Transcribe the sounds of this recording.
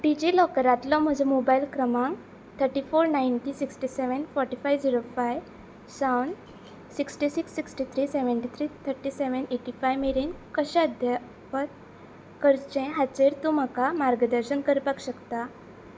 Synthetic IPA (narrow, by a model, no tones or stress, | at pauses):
ɖid͡ʑilɔkəɾat̪lɔm̤əd͡zə̃mobailkɾəmãŋ | t̪ʰəɾʈifoɾnajnʈisiksʈiseʋənfɔɾʈifajʋd͡ʑiɾofajʋ | sawnɖ | siksʈisiksːiksʈit̪ʰɾiseʋəɳʈit̪ʰɾit̪ʰəɾʈiseʋəneʈifajʋmeɾinkəɕãəd̪ʱja | pat̪̚ | kəɾt͡ɕɛ̃ɦat͡ɕeɾt̪ũm̤akamaɾɡəd̪əɾɕənkəɾpakɕəkt̪a